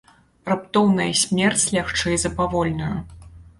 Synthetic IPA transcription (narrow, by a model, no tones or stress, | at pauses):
rɨpt̪ɔwnɐjɐsʲmʲɛrt͡sʲlʲaxt͡ʂɛjzɐpavɔlʲnɐjɐ